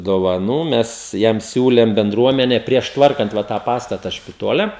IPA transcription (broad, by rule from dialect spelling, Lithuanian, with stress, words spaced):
doːʋɐˈnuː ˈmʲɛs ˈjɛm ˈsʲuːlʲɛm bʲɛnˈdruɔmʲɛnʲɛ pʲrʲiɛʃ ˈtʋɐrkɐnt ˈʋɐ tɑː ˈpɑːstɐtɐ ʃʲpʲɪˈtoːlʲɛ